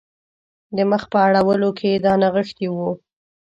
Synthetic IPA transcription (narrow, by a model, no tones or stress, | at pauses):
d̪əməxpəaɽawəlokʰed̪ɑnaɣəxt̪iwu